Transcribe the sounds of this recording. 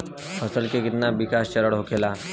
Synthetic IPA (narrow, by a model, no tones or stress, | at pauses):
pʰəsəlkekit̪nabikast͡ɕəɾəɽɦokela